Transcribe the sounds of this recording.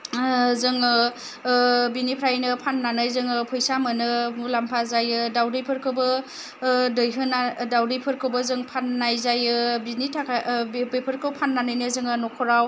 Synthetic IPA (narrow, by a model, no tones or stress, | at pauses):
zɯŋɯ | binipʰɾajnɯpʰanːanɯjzɯŋɯpʰɔjsamɯnɯulampʰazajɯdawdɯjpʰɯɾkʰɯbɯ | dɯjɦɯnadawdɯjpʰɯɾkʰɯbɯzɯŋpʰanːajzajɯbinitʰakʰabepʰɯɾkʰɯwpʰanːanɯjnɯzɯŋɯnɔkʰɔɾaw